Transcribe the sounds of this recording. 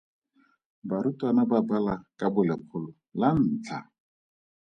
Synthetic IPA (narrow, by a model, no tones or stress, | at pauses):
baɾutʼwanababalakʼabʊlɪq͡χʰʊlʊ | lan̩ːt͡ɬʰa